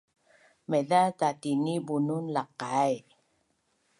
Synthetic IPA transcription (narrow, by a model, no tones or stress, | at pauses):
meðatatinibununlaqaj